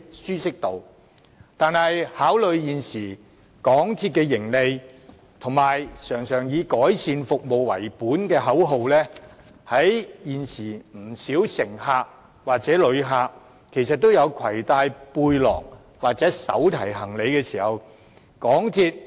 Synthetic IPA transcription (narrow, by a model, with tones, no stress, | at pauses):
syː˥sɪ˥k̚t̪o˨˧w | t̪aː˨˧nɐ˨jhaː˨˥wlɵ˨˧ɥjiː˨nsiː˨˩ | kɔː˨˥ŋt̪ʰiː˧t̚kɛː˧jɪ˨˩ŋle˨˧j | t̪ʰʊ˨˩ŋmaː˨jsœː˨˩ŋsœː˨˩ŋjiː˨˧kɔː˨˥jsiː˧nfʊ˨k̚mo˨˧wwɐ̰˨˩jpuː˨˥nkɛː˧ɦɐ˨˥wɦo˨˧wlɛː˥ | hɐ˨˥jjiː˨nsiː˨˩m̩˨˩siː˨˥wsɪ˨˩ŋɦaː˧k̚ | waː˨k̚t͡sɛː˨˥lɵ˨˧ɥɦaː˧k̚ | kʰe˨˩jsɐ˨t̚t̪ːo˥wjɐ˨˧wkʰɐ˨˩jt̪aː˧jpuː˧jlɔ̰ː˨˩ŋ | waː˨˩k̚t͡sɛː˨˥sɐ̰˨˥wt̪ʰɐ˨˩jɦɐ˨˩ŋle˨˧jkɛː˧siː˨˩hɐ˨˧w | kɔː˨˥ŋt̪ʰiː˧t̚